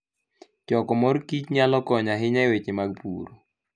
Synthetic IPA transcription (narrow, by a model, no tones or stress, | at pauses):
t͡ʃɔkɔmɔɾkit͡ʃɲalɔkɔɲaɦɪɲawet͡ʃɪmaɡpṵɾo